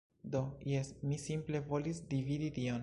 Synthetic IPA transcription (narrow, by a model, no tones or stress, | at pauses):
d̪o̞jesmisimple̞vo̞lisd̪ividit̪ion